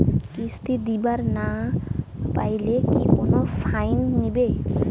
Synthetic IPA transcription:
kist̪ʰid̪ibaɾna | pajlekikonofʰajnːebe

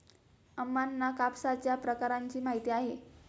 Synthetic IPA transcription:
əmːanːakapsat͡ɕjapɾəkaɾaɲt͡ɕiːm̤aɦit̪iːaɦe

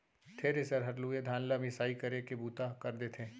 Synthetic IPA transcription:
t̪ʰeɾɪsəɾɦɐɾluːed̪ʱaːnlamɪsaːikɐɾekebuːt̪akɐɾd̪eːt̪ʰẽː

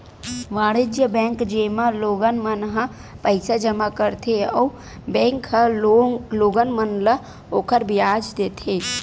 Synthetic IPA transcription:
ʋaːɽɪd͡ʒjəbɛ̃ːŋkd͡ʒeːmãloːɡənmənɦã | pəɪsad͡ʒɐmakəɾt̪ʰeɔː | bɛ̃ːŋkɦə | loːɡənmənlə | oːkəɾbɪjaːd͡ʒd̪eːt̪ʰeː

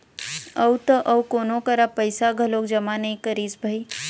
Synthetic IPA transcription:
ɐwt̪ɐʔɐwkoːnokɐɾapəɪsaɡʱəloːkd͡ʒɐmanɐɦĩkəɾiːsbʱai

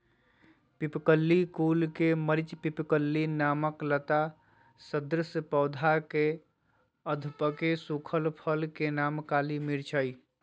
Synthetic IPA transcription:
pipkəlːikulkeməɾit͡ʃpipkəlːinaməklət̪a | səd̪ɾəsəpəʊd̪ʱake | əd̪ʱupəkesukʰəlpʰəlkenamkaːlimiɾt͡ʃʰəj

